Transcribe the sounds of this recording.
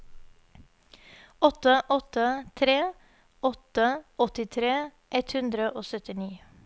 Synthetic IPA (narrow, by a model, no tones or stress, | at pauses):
ɔt̪əʔɔt̪ət̪ʰɾeː | ɔt̪əʔɔt̪ɪt̪ʰɾeː | ʔɛt̪hʉnd̪ɾəʔoːsœt̪ɪniː